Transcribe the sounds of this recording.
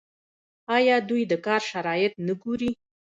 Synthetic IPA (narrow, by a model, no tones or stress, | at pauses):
ɑjɑd̪ujd̪əkɑɾʃaɾɑjɪt̪̚nəɡuɾi